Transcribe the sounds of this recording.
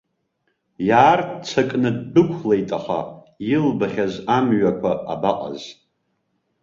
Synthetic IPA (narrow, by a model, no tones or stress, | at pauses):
jaːrtt͡sʷʰakʼnɨdːɨkʷʰlejtʼaχa̰ | ilbχʲazamɥakʷʰaabaqʼa̰z